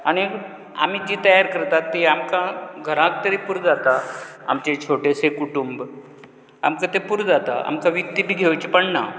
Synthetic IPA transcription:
aɽ̃i | a̰m̤id͡ʑiːt̪əjaɾkəɾt̪at̪ːiamkãɡʱəɾãk̚t̪əɾipuɾd͡zat̪a | a̰mt͡ɕet͡ɕʰoʈesekuʈumb | a̰mkat̪epuɾd͡zat̪a̰ʔa̰mkaʋikt̪ːibʱiːɡʱeʋt͡ɕipəɳna

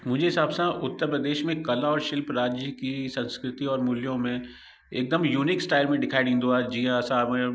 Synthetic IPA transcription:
mʊ̃d͡ʒʱeɦɪsaːbsãʔʊt̪ːəɾpɾəd̪eːʃmẽkɐlaɔːɾʃɪlpɾaːd͡ʒjəkisə̃nskɾɪt̪iɔːɾmʊljõmẽ | ḛːk̚d̪əmjuːnɪksʈaːɪlmẽɖɪkʰaːɪɖĩːnd̪uaːd͡ʒiãsã

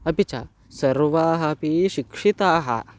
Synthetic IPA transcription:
ɐpit͡ɕa̰ | sɐɾʋaːɦɐpiɕikʂit̪aːɦɐ̰

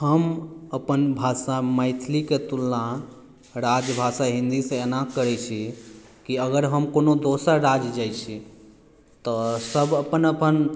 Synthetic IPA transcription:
həməpənbʱasaməɪt̪ʰliket̪ulːã | ɾad͡ʒbʱasaɦĩnd̪isẽenãkəɾɛt͡ʃʰi | kiəɡəɾɦəmkonod̪osəɾɾad͡ʒd͡ʒajt͡ʃʰi | t̪ɔsəbəpənəpən

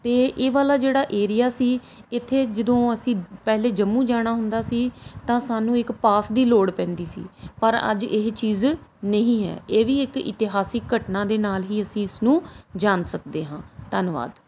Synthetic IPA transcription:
t̪eːʔeːʋaːlaːd͡ʒeːɽaːʔeːɾijaːsiː | ɪt̪ʰːeːd͡ʒəd̪õːəsĩːpɛːleːd͡ʒəmːũːd͡ʒaːɽ̃aːɦʊnd̪aːsiːt̪ãːsaːnũːɪkpaːsd̪iːloːɽpɛ̃ːnd̪iːsḭːpəɾə̰d͡ʒɪɦt͡ʃiːznəɦĩːɦɛ̰ːeːʋiːɪkɪ̰t̪ɪɦaːsɪkːəʈnaːd̪eːnaːlɦiːəsĩːɪsnũːd͡ʒaːnsək̚d̪eːɦãːt̪ənʋa̰ːd̪

